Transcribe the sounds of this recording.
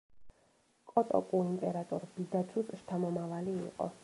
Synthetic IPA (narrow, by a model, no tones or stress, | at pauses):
kʼɔt̪ʼɔ̰kʼuimpʼɛɾat̪ʼɔɾbid̪at͡ʃʰusʃt̪ʰamɔmavalḭːqʼɔ̰